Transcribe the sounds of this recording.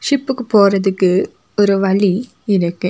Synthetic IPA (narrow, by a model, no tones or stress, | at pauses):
ʂɪpːɯkːɯpoːɾɐðɯkːɯ | ɔɾɯʋɐɭi | ɪɾɯkːɯ